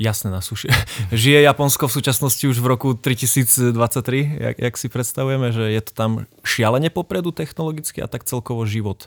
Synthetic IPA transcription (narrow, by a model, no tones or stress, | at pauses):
jasnɛnaːsuʃʒijɛjapɔnskɔfsuːt͡ʃasnɔsciuʒʋɾɔkut̪ɾicisiːd͡zd̪ʋat͡sːac̚t̪ːɾija̰ja̰ksipɾɛt̪st̪aʋujɛmɛʒɛjɛt̪ɔ̥t̪amʃɪalɛɲɛpɔpɾɛd̪ut̪ɛxnɔlɔɡit͡skia̰t̪ak̚t͡sɛlkɔʋɔʒiʋɔt̪